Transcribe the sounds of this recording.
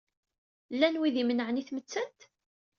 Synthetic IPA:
lːænwiðimənəʕniθmət͡sːənt̪

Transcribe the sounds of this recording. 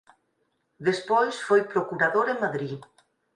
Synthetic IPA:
ðespɔjsfojpɾokuɾaðoɾemaðɾi

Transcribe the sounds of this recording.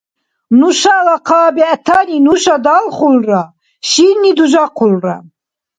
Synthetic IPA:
nuʃalaqʰaːbiat̪ʰaninuʃad̪alχulra | ʃinːid̪uʒaqʰulra̰

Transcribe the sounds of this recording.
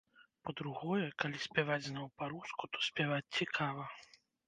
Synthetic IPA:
pɐd̪ɾuɣɔjɛkalʲisʲpʲavad͡zʲznawpaɾuskut̪ɔ̥sʲpʲavat͡sʲt͡sʲikʰavɐ

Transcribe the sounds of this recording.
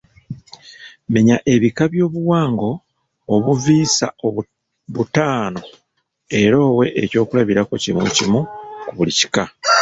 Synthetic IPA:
me̞ɲaʔe̞βikaβjo̞ːβuwaːŋɡo̞ː | βuviːsao | βutaːno̞ | e̞ɾo̞ːwe̞ʔeco̞ːkulaβiɾakocimṵcimukuβulici̥ka

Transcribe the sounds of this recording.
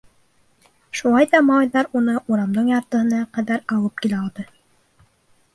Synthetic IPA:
ʃulˠɑjðɑmɑlˠɑjðɑɾunɤʔuɾɑmd̪ɤɴjɑɾt̪ɤ̆hɤ̆nɑqæðæɾɑw̪ˠɤp̚kilæɑlˠd̪ɤ

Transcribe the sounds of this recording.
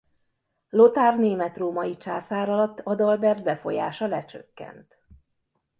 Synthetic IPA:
lo̞t̪aːrneːmɛt̪roːmɒjit͡ʃaːsaːɾɒlɒt̪ːɒd̪ɒlbɛrd̪̚bɛfo̞̰ja̰ːʃɒlɛt͡ʃø̰kːɛ̰nt̪

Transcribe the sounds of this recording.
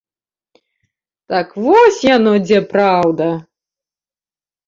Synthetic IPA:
t̪akvɔsʲjanɔd͡zʲɛpɾawd̪ɐ

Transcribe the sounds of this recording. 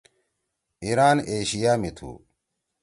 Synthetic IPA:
iɾaːneːɕijaːmit̪ʰṵː

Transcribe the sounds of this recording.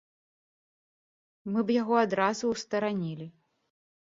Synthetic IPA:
mɨbjaɣɔad̪ɾazuwst̪ɐɾanʲilʲi

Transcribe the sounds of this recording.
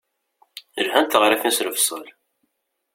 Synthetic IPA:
əlhænt̪əʁɾifisɾəvsˤə̰l

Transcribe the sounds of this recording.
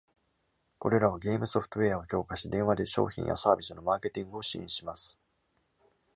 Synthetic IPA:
ko̞̰ɾe̞ɾaβaɡe̞ːmɯ̟so̞ɸɯ̥t̪oe̞ao̞kʲo̞ːkaɕid̪ẽ̞ɰ̃βad̪e̞ɕo̞̰ːçḭ̃ɰja̰saːbʲisɨno̞maːke̞t̪ʲĩŋɡɯo̞ɕiḭ̃ɕimasɨ̥

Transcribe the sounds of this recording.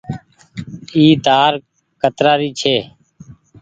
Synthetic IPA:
iːt̪aːɾ | kət̪ɾaːɾiːt͡ʃʰeː

